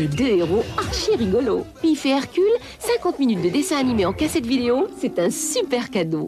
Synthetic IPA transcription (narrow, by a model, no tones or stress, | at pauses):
ed̪øeʁoaʁʃeʁiɡɔlo̰pifeɛʁkʲyl | sɛ̃kɑ̃t̪minyt̪̚d̪əd̪esɛ̃animeɑ̃kasɛt̪vid̪eosɛt̪ɛ̃sypɛʁkad̪o